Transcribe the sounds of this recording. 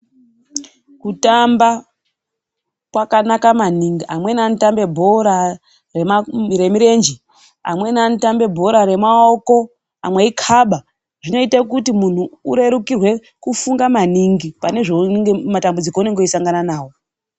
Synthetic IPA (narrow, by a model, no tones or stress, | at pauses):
kutamba | kwakanakamaniŋɡiamwe̞nantambe̞bʱo̞ɾa | re̞maɾe̞miɾe̞nd͡ʒi | a̰mwe̞nantambe̞bʱo̞ɾaɾe̞maoko̞ | a̰mweikʰaɓa | ʐino̞itakutimun̤uːɾe̞ɾukirwe̞ | kufuŋɡamaniŋɡipane̞ʐonŋɡematambud͡zikoune̞ŋɡoisaŋɡananaːwo̞